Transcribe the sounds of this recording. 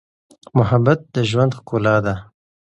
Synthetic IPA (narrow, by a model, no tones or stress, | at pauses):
mʊɦabat̪̚d̪əʒwand̪xkolɑd̪a